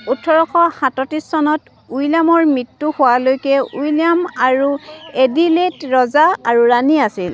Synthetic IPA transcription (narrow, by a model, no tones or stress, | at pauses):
utʰːɔɹɔxɔhatɔtɹisːɔnɔt | ujlamɔɹmɹitːuhʊwalojkɛujliamaɹuediletɹɔzaaɹuɹaniasil